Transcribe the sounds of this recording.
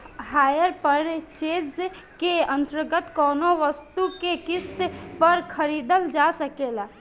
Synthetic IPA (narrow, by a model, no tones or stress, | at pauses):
haːjəɾpəɾt͡ʃeːz | keə̃nt̪əɾɡət̪kɔːnoʋəst̪ukekɪst̪pəɾkʰəɾiːd̪əld͡ʒaːsəkelaː